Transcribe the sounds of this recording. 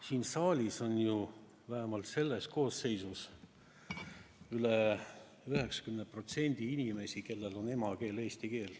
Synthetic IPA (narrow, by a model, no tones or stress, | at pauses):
siːnsɑːlʲiso̞nju | væɦemɑlt̪se̞lːe̞sko̞ːsːe̞jsus | yle | yhe̞ksɑ̥kymnepro̞t̪se̞nʲd̪̥iinʲime̞sike̞lːe̞lo̞ne̞mɑke̞ːle̞ːsʲt̪ike̞ːl